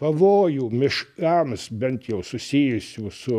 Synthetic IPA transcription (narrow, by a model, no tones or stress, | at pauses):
pɐʋoːjuːmʲɪʃkɑmsbʲɛnt̪jɛʊsʊsʲiːjʊsʲuːsʊ